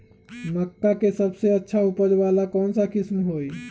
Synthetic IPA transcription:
məkːakesəbseətːʃʰaupəd͡ʒʋalakɔːnsakismɦoj

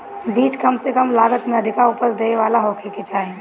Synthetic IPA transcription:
biːt͡ʃkɐmsekəmlaːɡət̪mẽɐd̪ʱɪkaʊpəsd̪eːeʋaːlaɦoːkʰeket͡ʃaːɦẽ

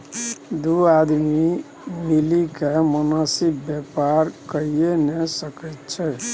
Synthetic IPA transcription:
d̪uad̪mi | milikamənasikbjepaɾkəijenesəkət̪t͡ʃʰɛ

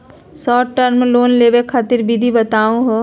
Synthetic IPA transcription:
sɔːʈʈəɾmeloːnleːʋekʰaːt̪ɪɾbid̪ʱibɐt̪aːũɦo

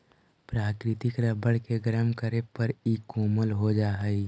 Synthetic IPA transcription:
pɾaːkɾɪt̪ɪkɾəbəɽkeɡɾəmkəɾepəɾiːkuːməlɦod͡ʒaːɦəi

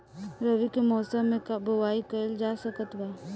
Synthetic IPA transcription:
ɾəʋikemɔːsəmːẽkabəwaːikəld͡ʒaːsəkət̪ʋaː

